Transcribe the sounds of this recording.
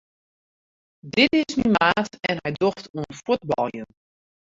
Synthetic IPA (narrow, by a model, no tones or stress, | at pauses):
dɪtɪsmimaːtɛnɦɛjdoftʰuənfut̚bɔ̰lˠjən